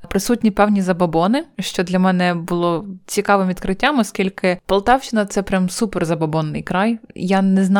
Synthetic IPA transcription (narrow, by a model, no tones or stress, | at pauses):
pɾɪsutʲnʲipɛwnʲizɐbɐbɔnɪʃt͡ʃɔd̪lʲɐmɛnɛbʊlˠɔt͡sʲikɑʋɪmʲit̪̚kɾɪtʲːamɔskʲilʲkɪpɐlˠt̪ɑwt͡ʃɪnɐt̪sɛpɾʲamsupɛrzɐbɐbɔnːɪ̰jkɾɑjjanɛzn